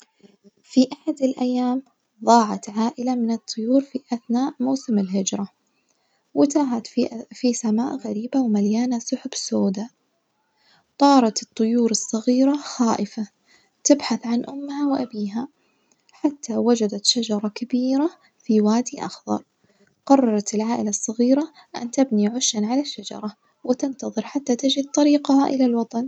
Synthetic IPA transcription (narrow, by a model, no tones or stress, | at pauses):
fiʔaħad̪ɪlʔajːaːm | ðˤɑːʕɑt̪ʕaːʔɪlamɪnɨt̪ˤːʊjuːɾfiʔaθnaːʔmawsɪmɪlɦɪd͡ʒɾˤɑ | wɪt̪aːɦat̪fisamaːʔɣaɾiːbawmaljaːnasʊħʊbsoːd̪a | t̪ˤɑːɾˤɑt̪ɨt̪ˤːʊjuːɾɨsˤːɑɣiːɾaxaːʔɪfa | t̪ɪbħaθʕanʔʊmːhawʔabiːɦa | ħat̪ʰːawad͡ʒad̪at̪ʃad͡ʒɑɾˤɑkabiːɾa | fiwaːd̪iʔɑ̰xðɑ̰ɾˤ | qɑrˤːɑɾˤɑt̪ɪlʕaːʔɪlasˤːɑɣiːɾa | ʔa̰nt̪ɪbniʕʊʃːanʕalaʃːad͡ʒɑ̰ɾˤɑ | wɪt̪ɪnt̪ɑðˤɨɾħat̪ːat̪ɪd͡ʒid̪̚t̪ˤɑɾiːqaha̰ʔɪ̰lalwɑt̪ˤɑn